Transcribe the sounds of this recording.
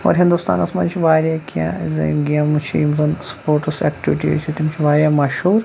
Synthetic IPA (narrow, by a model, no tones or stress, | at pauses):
o̰ːɾɦĩnd̪ust̪a̰ːnɐsmɐnt͡ʃʰiʋaːɾjaːkijã̰zɐ̰ɡijãːmut͡ʃʰimzɐnspoːɾʈusḛːkʈiʋiʈiḛt͡ʃʰit̪imt͡ʃʰiʋaːɾjaːmɐʃhuːɾ